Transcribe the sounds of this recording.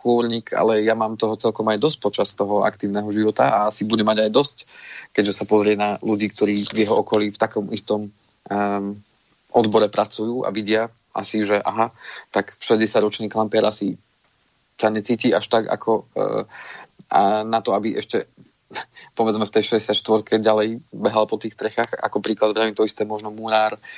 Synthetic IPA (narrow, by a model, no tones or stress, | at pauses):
xɔɾɲiːka̰lɛjamaːmt̪ɔɦɔt͡sɛlkɔmajd̪ɔsc̚pɔt͡ʃast̪ɔɦɔa̰kt̪iːʊnɛɦɔʒiʋɔt̪aaasibuɟɛmaɟajd̪ɔsckɛɟʒɛsapɔzɾɪɛnaluɟiːk̚t̪ɔɾiːvjɛɦɔɔkɔliːft̪akɔmʔist̪ɔm | ʔɔd̪bɔɾɛpɾat͡sujuːʔa̰ʋiɟɪa | ʔa̰siʒɛʔa̰ɦat̪akfʃɛzɟɛsjaɟɾɔt͡ʃniːklampɪɛɾasi | saɲɛt͡siːciːaʃt̪aɡa̰kʰɔ | nat̪ɔabiʔɛʃcɛ | pɔʋɛd͡zmɛft̪ɛjʃɛzɟɛsacʃt̪ʋɔɾkʰɛɟalɛjbɛɦalpɔt̪iːxst̪ɾɛxaːxa̰kɔpɾiːklad̪ʋaʋit̪ɔist̪ɛːmɔʒnɔmuɾaːɾ